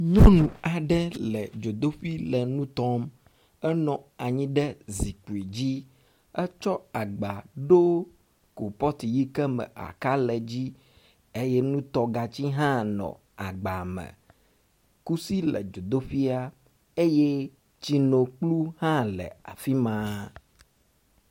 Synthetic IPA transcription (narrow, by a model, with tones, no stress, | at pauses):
ɲɔ̃˦nũ˨a˨ɖɛ˦lɛ˨d͡ʒo˨d̪o˦ɸi˦lɛ˨nũ˦t̪ɔ˦m | ɛ˦nɔ̃˨a˨ɲĩ˦ɖɛ˦zi˨ku˨i˨d͡ʑi˦ | ɛ˦t͡ʃɔ˦a˨ɡ͡ba˨ɖo˦ | ko˨pɔ˦t̪i˨ji˦kɛ˦mɛ̰̃˨ʔa̰˨ka˦lɛ˨d͡ʑi˦ | e˦je˦nũ˦t̪ɔ˦ɡa˨t͡ɕi˦ɦã˦nɔ̰̃˨ | a˨ɡ͡ba˨mɛ̰̃˨ | ku˦si˦lɛ̰˨d͡ʒo˨d̪o˦ɸi˦a˦ | e˦je˦ | t͡ɕi˦nõ˨k͡plu˦hã˦lɛ̰˨a̰˨fi˦mã˨˦